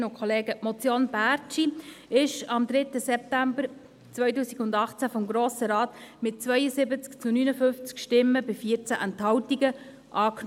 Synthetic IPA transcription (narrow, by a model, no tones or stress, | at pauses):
nʊkʰχɔleːɡəmɔt͡sjoːnbæɾt͡ʃiɪʃɑmd̪ɾɪtːəsɛp̚tæmbəɾ | t͡sʋœjtuːsiɡʊndɑχt͡sæfɔmɡɾoːsəɾɑːtmɪt̚t͡svœjəsɪbət͡skt͡sʊnyːnəfʏnft͡skʃtɪmːəbɪfiəɾt͡sæʔɛnthɑwtiɡə | ʔɑːk